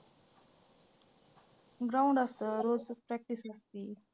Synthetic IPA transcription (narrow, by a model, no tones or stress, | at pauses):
ɡɾaũɳɖəst̪əɾod͡zpɾɛk̚ʈisəst̪iː